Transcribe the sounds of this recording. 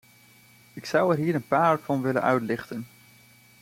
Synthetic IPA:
ɪksʌwɛɹɦiːɾənpaːɹv̥ɑnʋɪlə̰nʔœɥtlɪχtən

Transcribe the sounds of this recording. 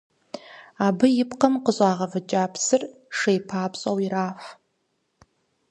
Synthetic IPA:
abɨjɪpʰqʰɐmqəɕʼaːʁɐvɨt͡ʃʼaːpʰsɨr | ʂejpʰaːpʰɕʼawiɾaːħʷ

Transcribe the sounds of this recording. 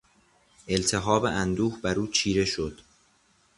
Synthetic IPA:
ʔe̞lt̪ʰe̞ɦɒːbeʔænd̪uːhbæɾuːt͡ʃʰiːɾe̞ʃod̪̥

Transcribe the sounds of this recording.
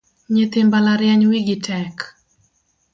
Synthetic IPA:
ɲet̪ɪmbalaɾjaɲwiɡɪtʰɛk

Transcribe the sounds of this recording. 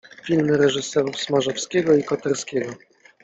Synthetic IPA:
fʲilmɘɾɛʐɘsɛɾufsmaʐɔfskʲɛɡɔikɔt̪ɛɾskʲɛɡɔ

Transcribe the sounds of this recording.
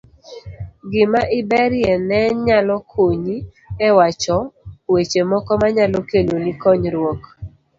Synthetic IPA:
ɡɪmaʔɪbɛɾjɛnɛɲalɔkʰoɲi | ɛwat͡ʃɔwet͡ʃemɔkɔmaɲalɔkelonikɔɲɾwɔk

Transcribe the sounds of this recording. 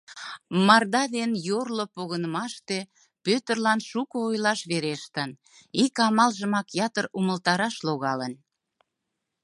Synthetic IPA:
mɑrd̪ɑd̪enjorlopoɣənəmɑʃt̪e̽ | pøt̪ərlɑnʃukəojlɑʃβeɾeʃt̪ən | ikɑmɑlʒəmɑkjɑt̪əruməlt̪ɑɾɑʃloɣɑlən

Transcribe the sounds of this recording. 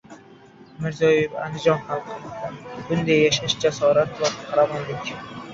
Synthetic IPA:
mɪɾzɒjeva̰nd̪ɪd͡ʒɒnχalˠqʰɨlˠabʊnd̪ajːaʃaʃd͡ʒasɒɾat̪vaχʰaɾavɒnlɪkʲ

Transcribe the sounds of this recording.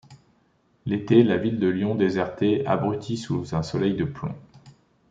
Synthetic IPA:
let̪elavild̪əljɔ̃d̪ezɛʁt̪ea̰bʁyt̪ʰisuzɛ̃sɔlɛjd̪əplɔ̰̃

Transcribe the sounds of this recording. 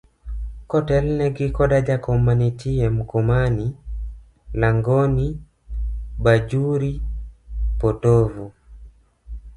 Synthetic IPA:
kɔtɛlnɛɡikɔɗad͡ʒakɔmanitiɛm̩kɔmani | laŋɡɔni | bad͡ʒuɾi | pɔtɔvu

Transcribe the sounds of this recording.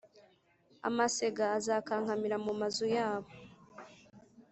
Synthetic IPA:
a̰mase̞ɡaːzaːkaːŋhamiɾamumazujaːβo

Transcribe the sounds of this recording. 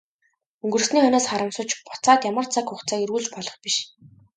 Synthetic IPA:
ɵŋɡɵ̆r̆sniːχɔnɔːsχaɾə̆msʊːt͡ɕpʊ̥t͡saːt̪jamə̆r̥t͡sʰakxʊχt͡saːeɾɣuːɮt͡ɕpɔɮɞ̆χpiʃ

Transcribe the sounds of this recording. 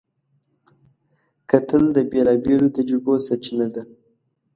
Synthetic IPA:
kat̪əld̪əbelɑbelot̪ad͡ʒɾubosat͡ʃinad̪a

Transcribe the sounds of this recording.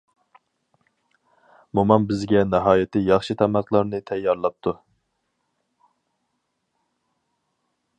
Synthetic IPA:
mumɑmbɪzɡʲɛnɛɦɑːjɪt̪ʰɪjɑχʃit̪ʰɛmɑqʰlˠɑɾnɨt̪ʰɛjːɑɾlˠɑp̚t̪ʰu

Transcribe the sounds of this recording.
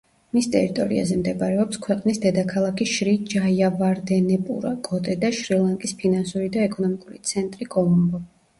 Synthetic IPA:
mist̪ʼɛ̰ɾit̪ʼɔɾḭa̰zɛmd̪ɛbaɾɛɔpskʰwɛqʼnisd̪ɛd̪akʰalˠakʰiʃɾid͡ʒajavaɾd̪ɛnɛpʼṵɾakʼɔt̪ʼɛd̪aʃɾilˠaŋkʼispʰinansuɾid̪aɛkʼɔnɔmikʼuɾit̪sʰɛnt̪ʼɾiɡɔlˠɔmbɔ

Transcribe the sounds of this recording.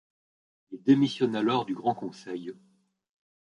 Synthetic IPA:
ild̪emisjɔnalɔʁd̪yɡʁɑ̃kɔ̃sɛj

